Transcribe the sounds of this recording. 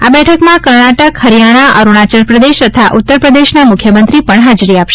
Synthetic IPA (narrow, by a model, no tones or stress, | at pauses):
abɛʈʰəkmãkəɾɳaʈəkhəɾijaɽ̃aʔə̰ɾuɽ̃at͡ʃəɾpɾəd̪eʃt̪ət̪ʰaʔut̪ːəɾpɾəd̪eʃnamʊkʰjəmənt̪ɾipəɳɦad͡ʒɾiapʃe